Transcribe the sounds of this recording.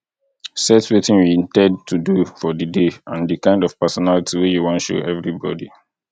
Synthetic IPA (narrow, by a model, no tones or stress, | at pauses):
sɛtwetɪ̃nwĩntɛ̃dtʰudufɔdədeãndəkãɪ̃ndɔv̥pəsɔnalitʰiwejuwɔ̃nʃṵɛvɹibɔ̰di